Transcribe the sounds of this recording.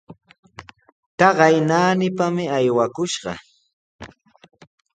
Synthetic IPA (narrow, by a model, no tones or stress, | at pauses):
t̪ɑɢɑjnaːnɪpamɪajwakʊʃɢɑ̰